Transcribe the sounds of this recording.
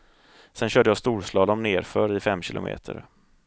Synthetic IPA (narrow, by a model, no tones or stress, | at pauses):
sɛnɕœːɖəjɑːst̪uːɾʂlɑːd̪ɔmneːɾfœɾɪfɛmːɕɪlʔʊ̰mḛːt̪ʰə̰ɾ